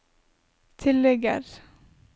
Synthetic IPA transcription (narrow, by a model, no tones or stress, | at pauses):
t̪ʰɪlɛɡə̰ɾ